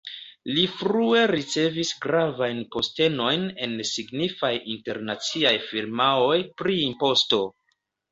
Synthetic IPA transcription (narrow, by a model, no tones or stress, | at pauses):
lifɾue̞ɾit͡se̞visɡɾavajnpo̞ste̞no̞jne̞nsiɡnifajinte̞ɾnat͡siajfiɾmao̞jpɾiimpo̞sto̞